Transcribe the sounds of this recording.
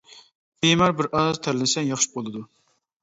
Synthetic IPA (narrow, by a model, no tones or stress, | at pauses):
bemæɾbɪɾʔɑzt̪ʰɛɾlɪsɛnjɑχʃi̥bolˠɨd̪u